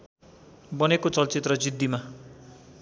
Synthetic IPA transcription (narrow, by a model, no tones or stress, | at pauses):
bʌnekot͡sʌlt͡sit̪rʌd͡zid̪ʱːima